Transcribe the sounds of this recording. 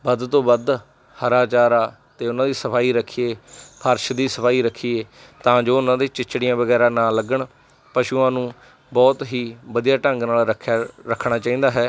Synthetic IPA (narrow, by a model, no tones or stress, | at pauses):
bəd̪t̪õːbəd̪ | həɾaːt͡ʃaːɾaː | t̪eːʊnãːd̪iːsəpʰaːiːɾəkʰieːpʰəɾʃd̪iːsəpʰaːiːɾəkʰːiːeː | t̪ãːd͡ʒoːʊnãːd̪eːt͡ʃɪt͡ʃːɽijãːbəɡɛːɾaːnãːləɡəɳ | pəʃuːãːnũː | bɔːt̪ɦiːʋəd̪ijaːʈəŋɡnaːlɾəkʰːɾəkʰːɽ̃aːt͡ʃaːĩːnd̪aːɦɛː